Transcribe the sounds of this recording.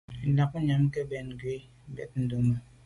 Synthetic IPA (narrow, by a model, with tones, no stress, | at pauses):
n̩˨la˨ku˦ɲa˨m̩˦ke˦bɛ˨n˨ɡe˦ | bɛ̰˨t̚n̩˦do˦mo˨